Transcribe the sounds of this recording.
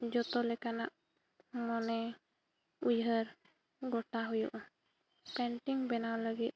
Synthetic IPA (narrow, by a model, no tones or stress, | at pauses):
d͡ʒɔt̪ɔlɛkana̰ʔ | mɔnɛ | ujɦəɾ | ɡɔʈaɦujṵʔɔ | pɛnʈiŋbɛnawləɡit̪̚